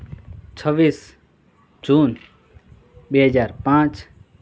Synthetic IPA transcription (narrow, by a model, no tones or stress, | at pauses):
t͡ʃʰəbis | d͡ʒuːn | beɦəd͡ʒaːɾpãt͡ʃ